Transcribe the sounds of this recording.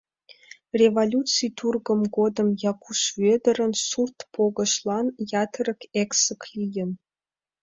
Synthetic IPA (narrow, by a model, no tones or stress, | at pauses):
rʲevolʲutt͡sijt̪urɡə̆mɡod̪ə̆mjɑkʰuʃved̪ə̆ɾə̆nsurt̪pʰoɡɤ̆ʃlˠɑnjɑt̪ʰərə̆keksəklʲijə̆n